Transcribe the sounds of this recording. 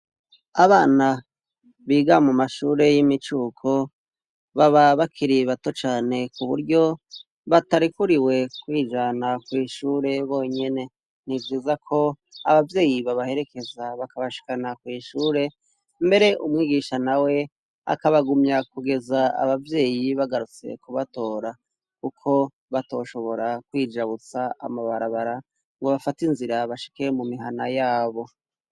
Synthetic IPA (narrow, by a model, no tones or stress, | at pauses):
aβaːna | βiːɡamumaʃuːɾe̞jimit͡ʃuːkʰo̞ | βaβaβakʰiɾiβato̞t͡ʃaːne̞kuβṵɾɟo̞ | βataɾikuɾiwe̞kwiːd͡ʒanakwiːʃuːɾe̞βo̞ːɲe̞ne̞ | n̥ivjiːzakʰo̞ | a̰βavje̞ːjiβaβahe̞ɾe̞ke̞zaβakaβaʃi̥kanakwiːʃuːɾe̞ | mbe̞ɾe̞ʔumŋiːɡiʃanawe̞ | a̰kaβaɡumɲakuɡe̞zaa̰βavje̞ːjiβaɡaɾut͡se̞̰kuβato̞ːɾa | kukʰo̞ | βato̞ːʃo̞βo̞ɾakwiːd͡ʒaβut͡saa̰maβaɾaβaɾa | ŋɡoβafatinziɾaβaʃi̥kemumiɦanajaːβo̞